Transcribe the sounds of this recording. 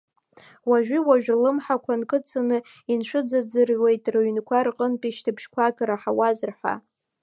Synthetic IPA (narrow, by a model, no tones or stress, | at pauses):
waʒᶣiwaʒᶣlɨmħakʷʰankʼɨt͡sʰʼɨnɨ | inʂʷɨd͡zad͡zɨrwe̞jtʼrɨɥnkʷʰarqʼənpʼiʃtʰɨpʰʃkʷʰakʼaɾaħawazɨrħʷa̰